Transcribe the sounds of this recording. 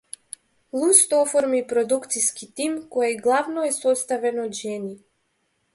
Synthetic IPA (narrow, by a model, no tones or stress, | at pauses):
lˠust̪ɔfɔɾmipɾɔd̪ukt̪siskit̪imkɔjaɡlˠavnɔɛsɔst̪avɛnɔd̪ʒɛni